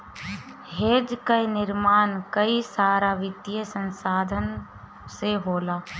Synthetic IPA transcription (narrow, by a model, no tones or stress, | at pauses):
ɦeːd͡ʒkainɪɾmaːnkəisaːɾaʋɪt̪jəsə̃nsaːd̪ʱən | seɦoːlaː